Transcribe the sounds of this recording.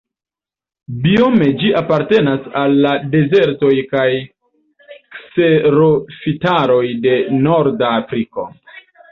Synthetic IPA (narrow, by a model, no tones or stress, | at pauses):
biome̞d͡ʒiʔapaɾte̞nasalːade̞ze̞ɾto̞jkaj | kse̞ɾofitaɾo̞jde̞no̞ɾdaːfɾiko̞̰